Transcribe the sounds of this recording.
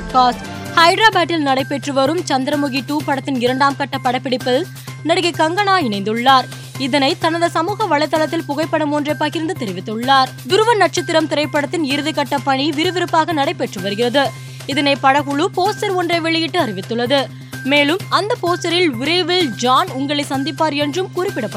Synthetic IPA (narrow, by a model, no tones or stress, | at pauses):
kaːs | hɐɪɖɾaːbaːʈːɪlnɐɽɐɪpːɛʈrɯʋɐɾɯmt͡ʃɐnd̪ɪɾɐmʊɣɪʈːuːpɐɽɐt̪ːɪnɪɾɐɳɖaːmkɐʈːɐpːɐɽɐpːɪɽɪpːɐl | nɐɽɯɣɐɪkɐŋɡɐɳaːɪnɐɪnd̪ɯɭːaːɾ | ɪðɐnɐɪt̪ɐnɐðɐsɐmuːɣɐʋɐɭːɐɪt̪ːɐlɐt̪ːɪlpʊɣɐɪpːɐɽɯmɔndrɐɪpːaːɣɪɾɯnd̪ɯt̪ɛɾɪʋɪt̪ːɯɭːaːɾ | d̪ʊɾɯʋɐnɐʈ̚t͡ʃɐt̪ːɪɾɐmt̪ɪɾɐɪpːɐɽɐt̪ːɪnɪɾɯðɪkɐʈːɐpːɐɳiʋɪɾɯʋɪɾɯpːaːɣɐnɐɽɐɪpːɛʈrɯʋɐɾɯɣɪrɐðɯ | ɪðɐnɐɪpɐɽɐɣʊɭɯpoːsɐɾɔndrɐɪʋɛɭɪjɪʈːɯɐɾɪʋɪt̪ːɯɭːɐðɯ | meːlɯmɐnd̪ɐpoːsɐɾɪlʋʊɾɐʋɪld͡ʒaːnʊŋɡɐɭɐɪsɐnd̪ɪpːaːɾɛndrɯmkuːrɪpːɪɽɐpːɐ